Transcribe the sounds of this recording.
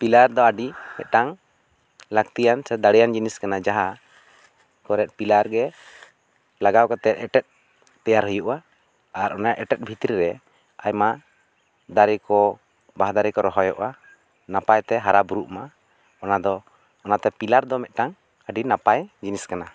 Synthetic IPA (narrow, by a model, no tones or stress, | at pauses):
pilaɾd̪ɔaɖimɛ̰t̪̚ʈaŋ | lakt̪ijansɛd̪aɽɛjand͡ʒiniskanad͡ʒaɦa | kɔɾɛt̪̚pilaɾɡɛ | laɡawkɔt̪ɛt̪ɛʈɛt̪̚ | t̪ɛjaɾɦəjuʔa | aɾʔɔnaʔɛʈɛt̪̚bʱit̪ɾiɾɛ | ajma | d̪aɾɛkɔ | baɦd̪aɾɛkɔɾɔɦɔjɔ̰ʔa | napajt̪ɛɦaɾabuɾuʔma | ɔnad̪ɔː | nat̪ɛpilaɾd̪ɔmɛt̪̚ʈaŋ | aɖinapajd͡ʒiniskana